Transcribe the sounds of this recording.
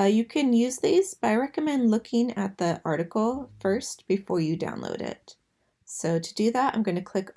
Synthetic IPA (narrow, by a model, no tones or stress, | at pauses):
jɨkʰɨ̃njʉzðiz̥bɾaɪɹɛkɨmɛ̃ndˡlʊkʰɪ̃ŋɨ̰t̪̚ðiʔɑɹɾɨkl̩ˠfɜ˞stb̥ɨfɔɹjɨdã̰ʊ̃nlo̰ʊɾɪ̰t̚ | soʊɾɨdɨðætã̰ɪ̃mɡʌnɨkʰl̥ɪk